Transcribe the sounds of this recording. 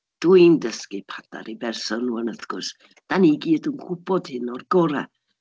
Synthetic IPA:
d̥uindəskipʰada̰ɾibɛrsɔnuənəθɡ̥ʊs | d̥aniɡiːdunkʰʊbɔd̥hɪnɔrɡɔɾa̰

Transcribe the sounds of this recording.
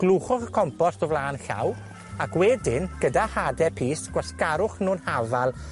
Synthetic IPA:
ɡ̥lˠuːχʊχəkʰɔmpɔstɔvlaːnɬa̰w | akwɛdɪnɡ̥ədahadɛpʰiːsɡ̥waskaɾʊχnuːnhavalˠ

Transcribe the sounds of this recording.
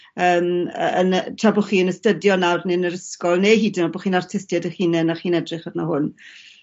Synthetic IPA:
əːməəntʰrabɔχiːənəstədjɔnawrnɪnəɾəskɔlˠneɦiːdɪnɔbɔχiːnartʰɪstjadəχiːnɛnaχiːnɛdrɨχɔdnahʊn

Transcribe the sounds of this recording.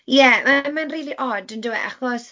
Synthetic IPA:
jɛamanriːlˠiʔɔdəndɪwɛ̰ʔa̰χɔs

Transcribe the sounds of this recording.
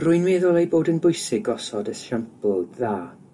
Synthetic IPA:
rʊjnmeðɔlˠejboːdənbʊjsɪɡɔsɔdəsʃampʰlˠɔdðaː

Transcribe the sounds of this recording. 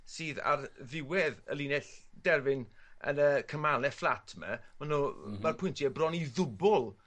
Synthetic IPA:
siːða̰rðɪwɛðə̰liːnɛɬd̥ɛrvɪnə̰nəkʰəmalɛflˠatʰmə̰manumarpʰʊjntʰiɛbrɔniðʊbɔlˠ

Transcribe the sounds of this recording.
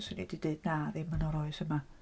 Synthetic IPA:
sənḭdideɨdnaːðɪmanɔɾɔɨsəma

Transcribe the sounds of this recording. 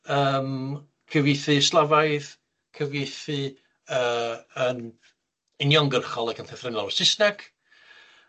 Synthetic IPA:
əːm | kʰəvɪjθɨslˠavajð | kʰəvjɪjθɨ | əːən | ɪnjɔŋɡərχɔlˠakʰənθɛθrɪnɔlˠsɪsnaɡ̥

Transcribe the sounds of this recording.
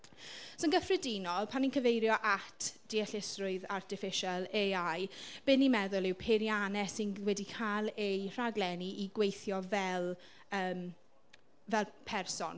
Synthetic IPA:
sonɡəfrədinɔlˠpʰaninkʰəvejɾjɔʔatʰd̥iɛɬɪsrʊɨðartʰɪfɪʃalˠeajb̥ɨnːimɛðʊlˠɪwpʰeɾjanɛsɪnwɛdikʰalˠejr̥aɡlɛniʔiɡwejθjɔvɛlˠ | əːm | vɛlˠpʰɛrsɔ̰n

